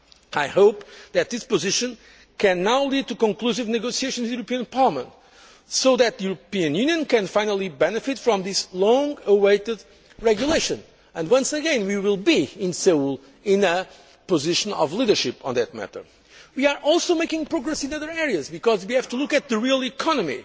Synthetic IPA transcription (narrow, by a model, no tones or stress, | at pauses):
aɪhoʊpðɨt̪̚ðɪspɨzɪʃɨ̃n | kʰɨ̃nːawlid̪̚tukɔ̃ŋkl̥usɨvnɨɡoʊsieɪʃɨ̃nzwðjuɾəpiɨ̃npʰɑɹlˠəmə̰̃nt | soʊðɨt̪̚ðɨjuɹɨpiɨ̃njʉ̃njɨ̃nkɨ̃nfãɪ̃nəlˠibɛnɨfɪtfɹɔ̃mðɪslɔ̃ŋəweɪtɨd̪ | ɹɛɡjuleɪʃɨ̃n | ɨ̃ndwʌ̃nsɨɡɛ̃nwiwilˠbiɪ̃nsɛulˠ | ɪ̃nə | pəzɪʃə̃nɔ̰vliðə˞ʃɪpə̰̃nðɨt̪̚mæ̰tə̰˞ | wia˞ʔɔlˠsoʊmeɪkɪ̃ŋpɹɔɡɹɛsɨ̃nʌðə˞ɛɹiɨzbɨkɔzwihæv̥tulukɨt̪̚ðɨɹilˠikʰɑnɨmḭ